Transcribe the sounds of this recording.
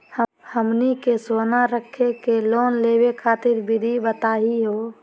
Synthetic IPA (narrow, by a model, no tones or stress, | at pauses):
h | həmnikesoːnaɾəkʰːekeloːnleːwekʰaːt̪ɪɾbʱɪd̪ʱibət̪aːɦiɦoː